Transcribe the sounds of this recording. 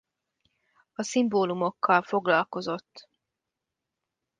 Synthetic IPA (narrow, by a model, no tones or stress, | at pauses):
ɒsimboːlumo̞kʰːɒlfo̞ɡlɒlko̞zo̞t̪ː